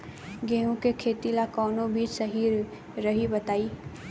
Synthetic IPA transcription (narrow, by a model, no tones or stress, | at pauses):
ɡeːɦũkekʰeːt̪ilakɔːnobʱiːt͡ʃsəɦi | ɾɐɦibɐt̪aːi